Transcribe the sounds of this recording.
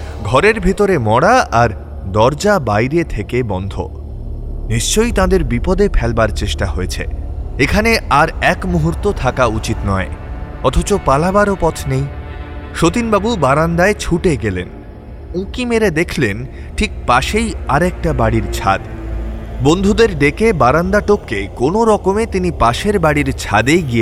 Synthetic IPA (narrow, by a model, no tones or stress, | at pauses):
ɡʱɔɾeɾbʱit̪oɾemɔɽaʔaɾ | d̪ɔɾd͡ʑabajɾet̪ʰekebɔnd̪ʱo̰ | niʃt͡ɕojt̪ãd̪eɾbipɔd̪epʰɛlbaɾt͡ɕeʃʈaɦoet͡ɕʰḛekʰaneaɾɛkmuɦuɾt̪ot̪ʰakaut͡ɕit̪nɔe | ɔt̪ʰot͡ɕopalabaɾopɔt̪ʰnejʃot̪inbabubaɾand̪aet͡ɕʰuʈeɡelḛn | ũkimeɾed̪ekʰlen | ʈʰik̚paʃejaɾɛk̚ʈabaɽiɾt͡ɕʰa̰d̪ | bond̪ʱud̪eɾɖekebaɾand̪aʈokːekonoɾɔkomet̪inipaʃeɾbaɽiɾt͡ɕʰad̪ejɡije